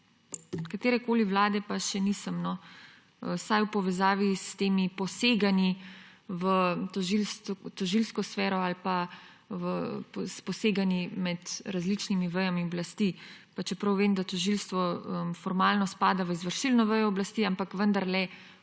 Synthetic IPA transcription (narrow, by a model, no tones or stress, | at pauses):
kat̪eːɾɛkoːliʋlaːd̪ɛpaʃɛnisəmnɔ | əsajwpɔʋɛzaːʋist̪eːmipɔseːɡani | ʋət̪ɔʒilst̪ɔʒilskɔsfɛːɾɔalpa | ʋəpspɔseːɡanimɛd̪ɾazlit͡ʃnimiʋəjamiɔblast̪ipat͡ʃɛpɾɐwʋeːmd̪at̪ɔʒilst̪ʋɔəmfɔɾmaːlnɔspaːd̪aʋəizʋəɾʃilnɔʋəjɔːblast̪iːampakʋənd̪aɾlɛ